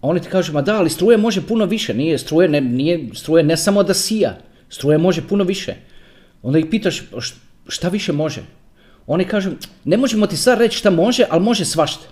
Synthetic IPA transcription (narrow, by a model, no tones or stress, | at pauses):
ao̞ːnit̪i̥kaːʒumad̪aːlist̪ɾuːjamo̞ʒepuno̞ʋiʃenijest̪ɾuːjenenijest̪ɾuːjenesamod̪asija̰ | st̪ɾuːjamo̞ʒepunoʋiʃḛ | o̞nd̪ajixpiːt̪aʃ | ʃt̪aʋiʃemo̞ʒḛ | oːnikaːʒune̞mo̞ʒemo̞t̪isad̪ɾet͡ʃʃt̪amo̞ʒeʔalmo̞ʒesʋaʃt̪ḁ